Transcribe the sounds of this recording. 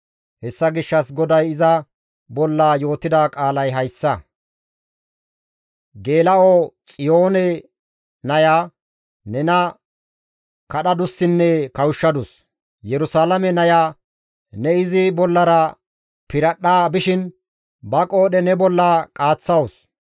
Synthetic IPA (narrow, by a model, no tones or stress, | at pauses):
hɛsːɐɡɪʃːɐs̬ɡɔd̪ɐjɪzɐ | bɔlːaːjo̞ːt̪ɪd̪aːkʼaːlɐjɦɐjsːɐ | ɡe̞ːlɐot͡sʼɪjo̞ːnɛ | nɐjaː | nɛnɐ | kɐɗɐd̪ʊsːɪnːɛkɐwʃːɐd̪ʊs | jɛɾʊsaːlɐmɛnɐjaː | nɛɪzɪbɔlːɐɾɐ | pɪɾɐɗaːbɪʃɪn | bɐkʼo̞ːɗɛnɛbɔlːaːkʼaːt͡sːɐwʊs